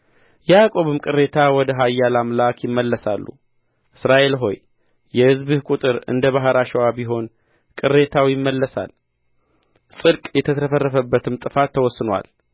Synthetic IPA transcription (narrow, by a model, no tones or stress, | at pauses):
jɛakʼo̞βɨmkʼɨre̞t̪ʰawɔd̪əɦajːalamlakʰjɪmːəlːəsa̰lːṵ | ʔɨsɾaʔe̞lɦo̞̰j | jɛhɨzβɨhkʼut̪ʼɨɾɨ̰nd̪əβaɦəɾaʃɛwabiɦo̞n | kʼɨrːe̞t̪ʰawjɪmːəlːəsa̰l | sʼɨɾkʼjɛt̪ʰət̪ʰəfərːəfəbːət̪ʰɨmt̪ʼɨfat̪ʰːəwɔsːɨnwa̰l